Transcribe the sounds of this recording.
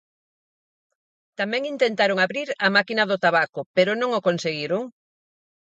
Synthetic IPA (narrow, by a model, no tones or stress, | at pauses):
t̪amɛ̃ŋint̪ent̪aɾʊŋaβɾiɾamakinɐðʊt̪aβakʊpeɾʊnõŋokonseɣiɾʊŋ